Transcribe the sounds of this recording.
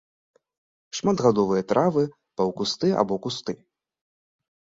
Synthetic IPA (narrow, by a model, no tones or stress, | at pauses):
ʂmad̪ɣad̪ɔvɨjɐt̪ɾʔavɨ | pɐwkust̪ɨa̰bɔkust̪ɨ